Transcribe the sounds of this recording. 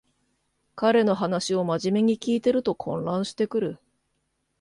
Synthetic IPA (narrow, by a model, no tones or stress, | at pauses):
kaɾe̞no̞ɦanaɕio̞maʑime̞ɲ̟ikʲiːt̪e̞ɾɯ̟t̪o̞kʰõ̞nɾãɰ̃ɕi̥t̪e̞kɯ̟ɾɯ̟